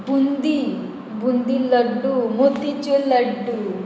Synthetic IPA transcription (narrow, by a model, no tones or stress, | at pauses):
bund̪i | bund̪ilɐɖːumot̪it͡ʃelɐɖːu